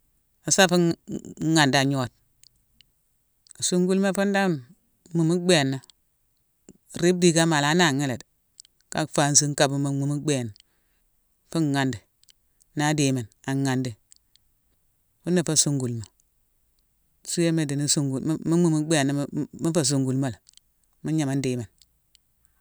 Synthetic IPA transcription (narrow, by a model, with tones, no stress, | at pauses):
a˨sa˦fu˦ŋa˨nda˨ɲo˦˨t̚ | su˦ŋɡu˦lma˦fu˦nda˦ | mu˨mu˦ɡ͡be˦˨nːa˦˨ | ɾi˦b̚di˦ɡa˦ma˨la˨˦na˦˨ŋe˦le˨d | ka̰˦kfa˨˦n˦si˦ŋ˦ka˦˨bu˦ma˨mu˨mu˦ɡ͡be˦˨n | fu˦˨ŋa˨ndi˨ | na˦de˨me˨na˨ŋːa˨ndi˨ | fu˦nːa˦˨fa˦˨su˦ŋɡu˨lma˨ | su˦je˦me˨di˨ni˦su˦ŋɡu˨˦mi˦mu˦˨mu˦ɡ͡be˦˨na˦mi˦fa˦˨s̬u˨ŋɡu˨lma˦la˨ | mu˦ɲa˨ma˦n˦deː˨˦me˨n